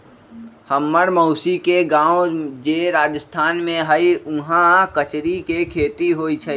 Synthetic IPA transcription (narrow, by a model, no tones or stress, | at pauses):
həmːəɾməʊsikeɡãːwõd͡ʒeːɾaːd͡ʒəst̪ʰaːnmẽɦəiʊɦãkət͡ʃɾikekʰeːt̪iɦoːit͡ʃʰə